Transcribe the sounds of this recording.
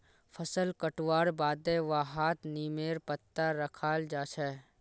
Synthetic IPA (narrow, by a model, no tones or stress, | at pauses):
fʰəsəlkəʈwaːɽbaːd̪eʋaːɦaːt̪niːmeːɾpət̪ːaɾəkʰaːld͡ʒaːt͡ʃʰɛː